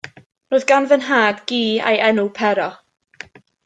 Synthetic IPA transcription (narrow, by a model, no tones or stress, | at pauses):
roːðɡanvənɦaːdɡiːa̰jʔɛnupʰɛɾɔ